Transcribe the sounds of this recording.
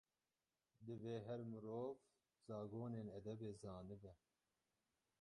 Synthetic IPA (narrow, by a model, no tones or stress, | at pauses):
d̪ɨveːɦɛɾmɨɾoːv | zɑːɡoːneːnɛd̪ɛbeːzɑːnɨbɛ